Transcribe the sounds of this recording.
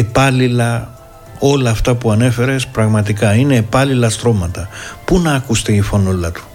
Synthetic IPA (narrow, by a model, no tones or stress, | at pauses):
epɐlilɐ | o̞lɐːft̪ɐpuɐne̞fe̞ɾe̞spɾɐɣmɐt̪ikɐine̞ːpɐlilɐst̪ɾo̞mɐt̪ɐpunɐːkust̪e̞ifonolɐt̪u̥